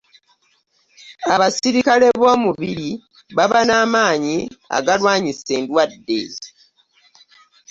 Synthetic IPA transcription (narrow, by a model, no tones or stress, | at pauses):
aβasiɾikale̞βo̞ːmuβiɾi | βaβanaːmaːɲia̰ɡalwaːɲise̞ːndwadːḛz